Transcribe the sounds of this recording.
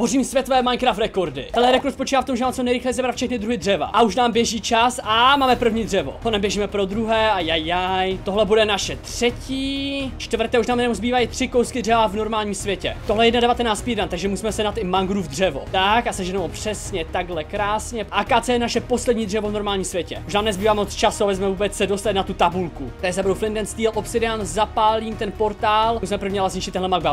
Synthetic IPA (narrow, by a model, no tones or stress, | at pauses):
ɦoriːmsvjɛt̪ovɛːmajnkɾaft̪ɾɛko̞ɾdɪ̰t̪ɛnlɛɾɛkoɾt̪spot͡ʃiːvaːft̪omʒɛvaːmt͡sonɛjɾɪxlɛjɛzɛbɾat̪fʃɛxnɪd̪ɾuɦɪd̪rɛva̰ʔauʃ̬naːmbjɛʒiːt͡ʃasamaːmɛpr̩vɲiːd̪rɛvo̞̰tonɛmbjɛʒiːmɛpɾo̞d̪ɾuɦɛːajajːajt̪o̞ɦlɛbudɛnaʃɛt̪r̥ɛciːt͡ʃt̪vr̩t̪ɛːuʃnaːmjɛnɛmzbiːvajit̪r̝̥ɪkowskɪd̪rɛvavno̞ɾmaːlɲiːmsvjɛcɛ̰t̪oɦlɛjɛjɛdnadɛvat̪ɛnaːt͡st̪pidɛant̪aɡʒɛmusiːmɛsɛnat̪ɪmaŋɡɾuːvd̪r̝ɛvo̰t̪akasɛʒɛnoopr̝̥ɛsɲɛt̪aɡlɛkɾaːsɲɛʔaːkaːt͡sɛːnaʃɛpo̞slɛdɲiːd̪r̝ɛvovno̞ɾmaːlɲiːmsvjɛcɛuʃnaːmnɛzbiːvaːmot͡st͡ʃasuabɛzmɛvuːbɛt͡ssɛdost̪alɪnat̪ut̪abulkut̪ɛzd̪abɾowflɪndɛnst̪iːlʔopsɪdɪanzapaːliːmt̪ɛnpo̞ɾt̪aːlmusimɛpɾr̩vɲialas̬ɲɪt͡ʃɪt̪ɛnɦlɛmaŋɡba